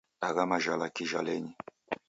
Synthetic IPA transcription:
aɣamaʒalakiʒa̰lɛɲi

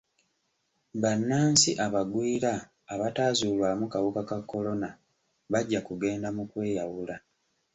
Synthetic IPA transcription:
βanːaːnsiʔaβaɡwiːɾaː | βataːzuːlwaːmukaβukakakːo̞lo̞na | βaɟːakuɡe̞ːndamukwe̞ːjawula

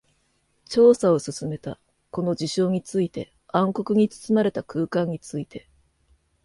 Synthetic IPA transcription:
t͡ɕo̞ːsao̞sɨsɨme̞t̪a̰ | ko̞no̞d͡ʑiɕo̞ːɲ̟it͡sɨit̪e̞ | ãŋko̞kɯ̟ɲ̟it͡sɨ̥t͡sɨmaɾe̞t̪akɯ̟ːkãɲ̟ːit͡sɨit̪ʰe̞

